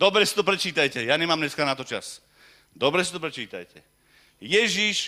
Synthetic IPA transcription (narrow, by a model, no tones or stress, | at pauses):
d̪ɔbɾɛsi̥t̪ɔp̬ɾɛt͡ʃiːt̪ajcɛjaːɲɛmaːmɲɛskaːnat̪ɔt͡ʃa̰s | d̪ɔbɾɛsit̪ɔpɾɛt͡ʃiːt̪a̰jcɛ̰ | jɛʒiʃ